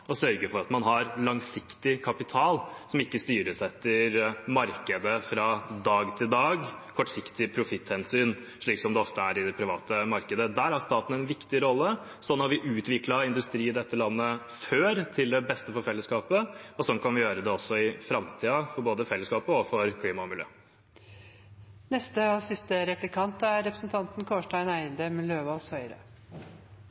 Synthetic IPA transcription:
ɔsœɾɡəfɔɾɑt̪mɑnɦɑɾlɑŋsɪkt̪ɪkʰɑpɪt̪ʰɑːlsɔmɪkːəst̪yːɾəsɛt̪ːəɾmɑɾkəd̪əfɾɑːd̪ɑːɡt̪ʰɪld̪ɑːɡkʰɔʈsɪkt̪ɪpʰɾʊfɪt̪ːhɛnsyːn | ʂɭiːksɔmd̪ɛɔft̪əæɾɪd̪ɛpʰɾɪʋɑ̰ːt̪əmɑɾkəd̪əd̪æːɾhæɾʂt̪ɑːt̪n̩ɛnʋɪkt̪ɪɾɔlːə | sɔnːhɑɾʋɪʔʉːt̪ʋɪklɑɪnd̪ʉst̪ɾiːɪd̪ɛt̪ːəlɑnːə | føːɾt̪ʰɪld̪ɛbɛst̪əfɔɾfɛlːəskɑːpəɔsɔnkʰɑnʋɪjøːɾəd̪ɛɔsːɔɪfɾɑmt̪ʰiːɑfɔɾboːd̪əfɛlːəskɑːpəɔfɔɾkʰliːmɑmɪljø̰ː | nɛst̪əɔːsɪst̪əɾɛplɪkʰɑnt̪əæɾɾɛpɾəsnt̪ʰɑnt̪nkʰoːʂʈæɪnæɪənd̪əmløːʋɑshœʏɾə̰

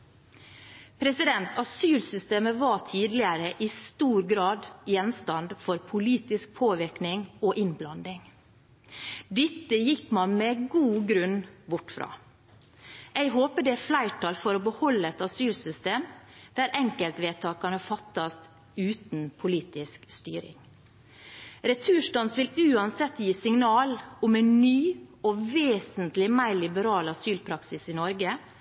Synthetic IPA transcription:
pʰɾɛsɪd̪ɛnt̪ʰɑsyːlsʏst̪eːməʋɑtʰiːd̪lɪəɾəʔɪst̪uːɾɡɾɑːd̪jɛnst̪ɑnd̪fɔɾpʰʊliːt̪ɪsk̚pʰoːʋɪɾknɪŋoʔɪnblɑnd̪ɪŋ | d̪ɪt̪ːəjɪkmɑnmɛɡuːɡɾʉnbʊʈfɾɑ̰ː | ʔɛɪɡɦoːpəɖɛæflæɪʈʰɑːlfɔɾɔbəhɔlːəɛt̪ɑsyːlsʏst̪eːmd̪̥æɾʔɛŋkəlt̪ʋeːt̪ʰɑːkɑnɑfɑt̪ːɑst̪ | ʉːt̪n̩pʰʊliːt̪ɪskst̪y̰ːɾɪ̰ŋ | ɾɛt̪ʰʉːʂʈɑnsʋɪlʉːɑnsɛt̪ːjiːsɪŋnɑːlʊmɛnnyːɔʋeːsənt̪lɪmæɪlɪbəɾɑːlɑsyːlpʰɾɑksɪsɪnɔɾɡə

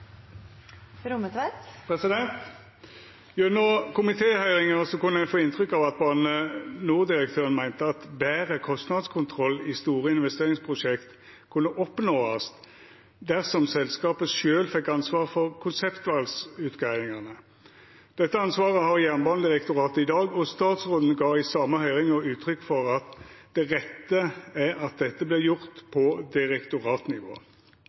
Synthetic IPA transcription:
ɾʊmət̪ʋæt̪pʰʁɛsɪd̪ɛnt̪ | jʊnɔkʊmɪt̪ʰeːhœʏʁɪŋəsɔkʉnːəæfoːɪnt̪ʁʏkːɑʋɑt̪̚bɑnnənuːʁd̪ɪʁək̚t̪ʰøːʁənmæɪnt̪əɑt̪bæːʁəkʰɔst̪nɑd̪skʰʊnt̪ʰʁɔlːist̪uːʁəɪnʋɛst̪eːʁɪŋspʰʁʊʂɛkt̪ | kʰʉnːəʔɔpnoːɑs | d̪æʁsɔmsɛlskɑːpəʃøːlfɛkːɑnsʋɑːʁfɔʁkʰʊnsɛpt̪ʉɑlsʉt̪ɡæɪɪŋɑnə | d̪̥ɛt̪ːəɑnsʋɑːʁəhɑʁjæʁnbɑnd̪ɪʁɛkt̪ʊʁɑːt̪əɪd̪ɑːɡɔst̪ɑːt̪sʁoːd̪n̩ɡɑːɪsɑːmːəhœʏʁɪŋɔʉːt̪ʰɾʏkːfɔʁɑt̪d̪̥ɛʁɛt̪ːəæɾɑt̪̚d̪ɛt̪ːəblɪjʊʁt̪pʰɔd̪ɪʁɛkt̪ʊʁɑːt̪nɪʋo̰ː

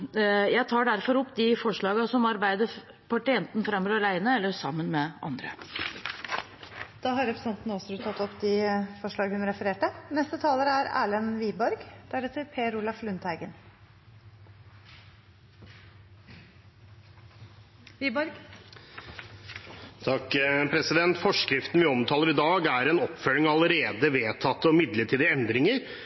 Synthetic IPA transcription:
jæɪt̪ʰɑːɖæɾfɔɾɔpːd̪ɪfɔʂɭɑːɡɑsɔmɑɾbæɪd̪ə | pʰɑʈɪɛnt̪n̩fɾɑmːɾɑlæɪnəɛlːəsɑmːənmɛʔɑ̰nd̪ɾə̰ | d̪̥ɑːɦɑɾɛpɾəsɛnt̪nɔsɔɾʉːt̪ʰɑt̪ːɔpːd̪ɪfɔʂɭɑːɡəhʉnɾɛfəɾeːʈənɛst̪ət̪ʰɑːləɾəæɾæ̰ːɭənʋiːbɔɾɡd̪̥æɾɛt̪ʰːəɾpʰeːɾuːlɑflʉnt̪ʰhæɪɡən | ʋiːbɔɾɡ | t̪ʰɑkːpʰɾɛsɪd̪ɛnt̪fɔʂkɾɪft̪n̩ʋɪɔmt̪ʰɑːləɾɪd̪ɑːɡæɾɛnɔpːfœlɪŋɑləɾeːd̪əʋeːt̪ʰɑt̪ːəɔmɪd̪ləʈʰiːd̪ɪɛnd̪ɾɪŋəɾ

